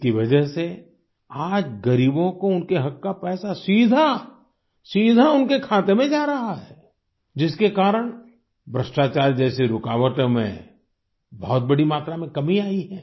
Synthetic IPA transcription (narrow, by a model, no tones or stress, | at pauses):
kiʋɐd͡ʒəɦse | aːd͡ʒɡɐɾiːbõkoʊnkeɦɐkːapɛːsasiːd̪ʱa | siːd̪ʱaʊnkekʰaːt̪emẽd͡ʒaːɾɐɦaɦɛː | d͡ʒɪskekaːɾəɽ̃ | bɾəsʈaːt͡ʃaːɾd͡ʒɛːseɾʊkaːʋəʈmḛ̃ | bɔɦt̪̚bɐɽimaːt̪ɾamẽkɐmiaːiɦɛː